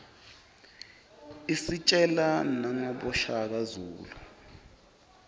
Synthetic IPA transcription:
isit͡ʃʼɛlanaŋɔɓɔʃak̬azuːlu

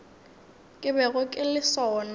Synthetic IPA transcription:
kʼɪbɛɣʊkʼɪlɪsɔːna

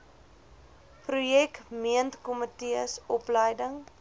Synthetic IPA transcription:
prujɛkmiəntkɔmətiəsɔpləjdəŋ

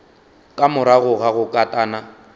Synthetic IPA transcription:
kʼamʊɾaɣʊɣaɣʊkʼatʼaːna

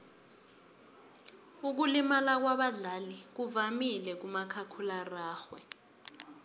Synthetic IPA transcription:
uk̬ulimalak̬waɓaɮalik̬uvamilɛk̬umakʰakʰularaːxwɛ̰

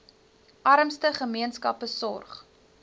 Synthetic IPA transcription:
ʔɐɾəmstəχəmiənskɐpəsɔ̰rχ

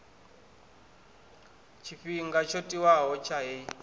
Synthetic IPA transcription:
t͡ʃʰiɸiŋɡat͡ʃʰotʼiwaɦɔt͡ʃʰaɦe

